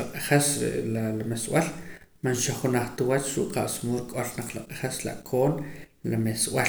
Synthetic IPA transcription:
aqʼaχesḛalamesw̰al | manʃaχunaχt̪iwat͡ʃɾuʔqa̰ʔsmuɾkʼolnaq͡χlaqʼḁχesla̰ʔkʰoːnlameswal

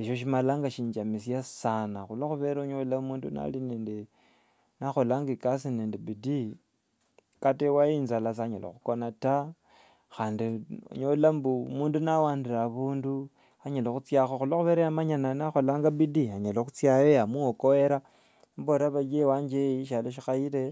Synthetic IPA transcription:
eʃo̞ʃ̬imalaːŋɡaʃiːɲd͡ʒamisijassanaxuloxuβeɾaɲolaumuːnduna̰lineːnde | naxo̞laŋɡekasineːndebidi | katewaiːnzalas̬ɲalḛxukonata | xaːndio̰ɲolambumuːndunawaːndiɾaβuːndu | aɲalexut͡sjaxoxuloxuβeɾejamaɲananaxo̞laŋɡabidiaɲaloxut͡sjajeamuokoweɾa | mboɾaβad͡ʒewaːɲd͡ʒeiʃaloʃ̬ixaiɾe

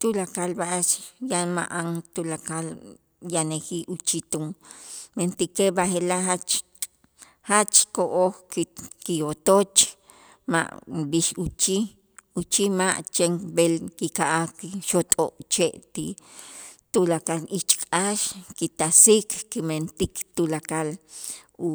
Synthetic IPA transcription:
t̪ulakalbaʔat͡ʃjanma̰ʔaŋt̪ulakal | janekiʔut͡ʃit̪uŋment̪ikebaxelahat͡ʃ | hat͡ʃkoʔoxkkijot̪ot͡ʃ | ma̰ʔbiʃut͡ʃi | ut͡ʃimaʔt͡ʃeŋbelkikaʔakiʃot̪ʼoʔt͡ʃeʔt̪i | t̪ulakalit͡ʃkʼaʃkit̪asikkiment̪ikt̪ulakal | u

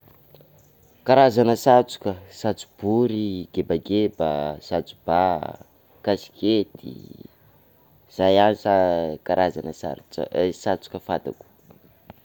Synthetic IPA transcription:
kaɾazanəsat͡su̥kəsat͡su̥b̥uɾiɡ̥ebaɡebəsat͡su̥b̥a | kasi̥ket̪ḭ | z̥ajanisakaɾʔazanəsa̰ɾ̰sat͡su̥kəfad̪a̰ku̥

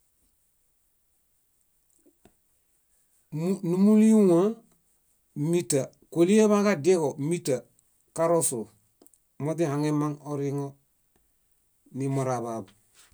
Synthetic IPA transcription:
numuliuŋa | mita | kolieβakadeɡomita | kaɾosul | modihaŋemaŋoɾiŋo | nimoɾaβabu

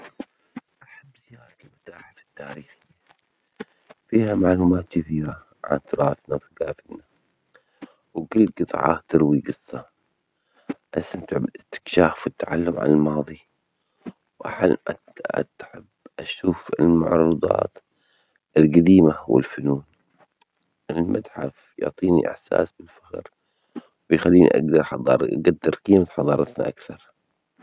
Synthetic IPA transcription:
ʔaħabːzɪjaːɾˤɑt̪ɪlmʊt̪ːaːħafɪ̥t̪ːaːɾiːxɪjːa | fiːhamaʕluːmaːt̪kɪθiːɾa | ʕa̰nt̪ɾˤɑːt̪nafiɡaːfɪlna | wkɪlːqɨt̪ˤʕɑ̰t̪ɪɾwiɡɨsˤːɑ | ʔast̪ant̪ɪʕbɪlɪst̪ɪ̥kʃaːfwɪt̪ːaʕalːʊmʕa̰nalmɑːðˤi | wʔa̰ħal̰ | t̪ħɪbʔaʃuːfɪlmaʕɾˤʊd̪ˤɑ̰ːt̪ | ʔɪlɡad̪iːmawɪ̰lfʊnuːn | ʔɪlmʔad̪ħa̰f | jʊ̰ʕt̪ˤiːnḭʔɪ̰ħsa̰ːsbɪlfaɣɾ | wɪjxalːiːnḭʔa̰ɡd̪ɑɾˤħɑd̪ˤɑ̰ːɾˤʔaɡad̪ːɪɾˤqiːmat̪ħɑðˤɑːɾˤɑt̪na̰ʔakθɑɾˤ

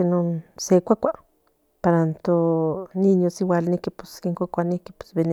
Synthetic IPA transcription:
enonsekʷakʷa | paɾant̪oninjosiwalnikipu̥skeŋkʷakʷaniki̥pe̥sbene

